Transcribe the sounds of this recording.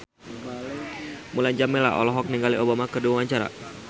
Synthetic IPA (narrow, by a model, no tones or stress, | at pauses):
mulajɲd͡ʒamela̰ɔ̰lɔɦɔk̚niŋɡaliobamakəduawaɲt͡ʃaɾa̰